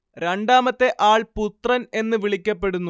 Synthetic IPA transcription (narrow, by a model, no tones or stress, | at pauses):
ɾeɳɖaːmɐt̪ːe̞ʔaːɭput̪rɐne̞nːɨʋiɭikʲːɐpːe̞ɽunːu